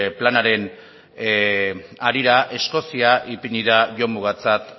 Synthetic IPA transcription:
planaɾe̞n | aɾiɾaʔe̞sko̞siaʔipiɲiðaʝo̞muɣ̞at͡sat̪

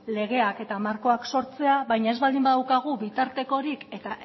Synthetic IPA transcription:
le̞ɣ̞e̞ake̞t̪amaɾko̞akso̞ɾt͡se̞aβajɲaezβald̪imbaðawkaɣ̞uβit̪aɾt̪e̞ko̞ɾike̞t̪a

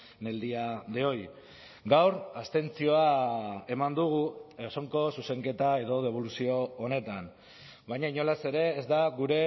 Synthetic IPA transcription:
ne̞ld̪iadeo̞j | ɡawɾast̪e̞nt͡sio̞ae̞mand̪uɣ̞ueso̞ŋko̞suse̞ŋke̞t̪ae̞ð̞o̞ð̞e̞β̞o̞lusio̞ːne̞t̪an | bajɲaiɲo̞lase̞ɾe̞ːzd̪aɣuɾe̞

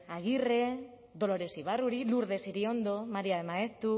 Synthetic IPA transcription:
aɣire̞ | ðo̞lo̞ɾe̞siβ̞aruɾiluɾðe̞siɾio̞nd̪o̞maɾiaðemaest̪ɾu

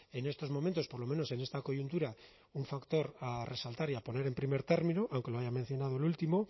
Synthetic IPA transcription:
e̞ne̞st̪o̞zmo̞mẽnt̪o̞spo̞ɾlomẽ̞no̞se̞ne̞st̪ako̞ʝunt̪uɾa | uɱfakt̪o̞ɾare̞salt̪aɾiapo̞ne̞ɾe̞mpɾime̞ɾt̪e̞ɾmĩnuʔawŋke̞lo̞aʝamẽ̞n̟θjo̞nað̞olult̪imo̞

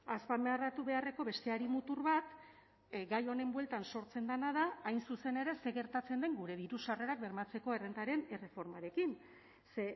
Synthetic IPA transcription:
aspame̞arat̪uβe̞are̞ko̞βe̞st̪e̞aɾimut̪uɾβat̪ | ɡajo̞ne̞mbwe̞lt̪anso̞ɾt͡se̞nd̪anað̞aajnsuse̞ne̞ɾe̞se̞ɣe̞ɾt̪at͡se̞nd̪eŋɡuɾe̞βiɾusare̞ɾak̚be̞ɾmat͡se̞ko̞e̞re̞nt̪aɾe̞ne̞re̞fo̞ɾmaɾe̞kin | se

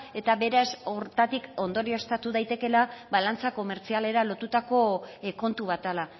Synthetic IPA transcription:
e̞t̪aβe̞ɾasoɾt̪at̪iko̞nd̪o̞ɾio̞st̪at̪uðajt̪e̞ke̞laβalant͡sako̞me̞ɾt͡siale̞ɾalo̞t̪ut̪ako̞ko̞nt̪uβat̪ala

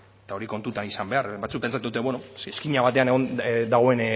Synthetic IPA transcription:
et̪aoɾiko̞nt̪ut̪anisambe̞aɾbat͡suk̚pe̞nt͡sat̪uut̪e̞βwenoeskiɲaβat̪e̞aneɣond̪aɣ̞o̞e̞n

